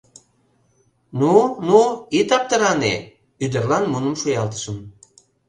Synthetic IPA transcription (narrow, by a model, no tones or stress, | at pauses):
nunuit̪ɑp̚t̪ə̆ɾɑne | yd̪ə̆rlɑnmunəmʃujɑlt̪ə̥ʃəm